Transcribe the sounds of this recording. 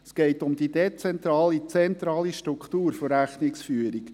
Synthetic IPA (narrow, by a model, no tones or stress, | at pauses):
sɡ̥ɛɪtʊmd̥̪id̪et͡sɛnt̪ɾɑːlit͡sɛnt̪ɾɑːliʃtɾukχt̪uːɾfɔɾæχnɪksfyːəɾik